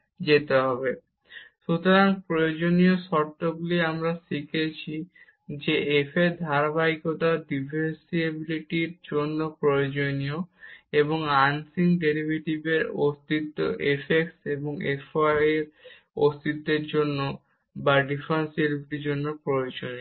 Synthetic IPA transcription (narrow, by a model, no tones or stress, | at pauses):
d͡ʑet̪eɦɔbe | ʃut̪oɾaŋpɾojod͡ʑonijoʃɔɾt̪ːoɡuliamɾaʃikʰet͡ɕʰi | d͡ʑeʔefed̪ʱaɾabajkot̪aɖibʱeɾsiebiliʈiɾd͡ʑonːopɾojod͡ʑonioeβoŋansiŋɡɖeɾibʱeʈibeɾost̪it̪ːo̰ʔefekseboŋefaeɾ | ost̪it̪ːeɾd͡ʑonːo | baɖifɾansiebibiʈiɾd͡ʑonːopɾojod͡ʑonio